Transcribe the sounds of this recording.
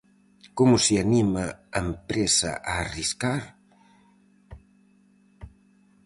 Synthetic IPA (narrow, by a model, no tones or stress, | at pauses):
komʊsɪanimɐɐempɾesɐ̰ʔaːriskaɾ